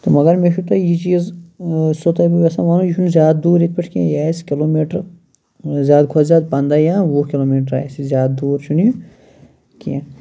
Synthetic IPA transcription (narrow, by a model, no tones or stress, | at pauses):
t̪omɐɡɐɾmeʃut̪ajit͡ʃiːz | sot̪apiʋɐsãʋaːnũjiʃʰunzʲjaːd̪̚d̪uːɾet̪̚pɐʈʰkḭ̃jaːskiloːmeːʈəɾ | zʲjaːd̪̚kʰoːzʲjaːd̪̚pɐ̃nd̪aːjãʋokiloːmiːʈ̬ɾa̰ːsizʲjaːd̪̚d̪uːɾt͡ʃʰuni | kijã